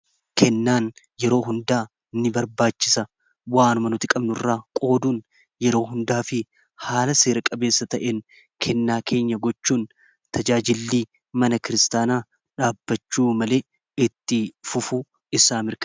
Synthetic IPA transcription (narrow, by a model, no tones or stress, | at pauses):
kʰɛnːaːn | jɛɾo̞ːɦʊnd̪aː | nːɪbɐɾbaːt͡ʃːɪsɐ | waːnʊmɐnʊt̪ɪkʼɐbnʊrːaːkʼo̞ːd̪uːn | jɛɾo̞ːɦʊnd̪aːfɪ | haːlɐse̞ːɾɐkʼɐbe̞ːsːɐt̪ɐʔeːn | kʰɛnːaːkʰe̞ːɲːɐɡɔt͡ʃːuːn | t̪ɐd͡ʒaːd͡ʒɪlːiː | mɐnɐkɪɾɪst̪aːnaː | ᶑaːbːɐt͡ʃːuːmɐle̞ː | ɪt̪ːɪfʊfʊ | ɪsaːmɪɾkɐ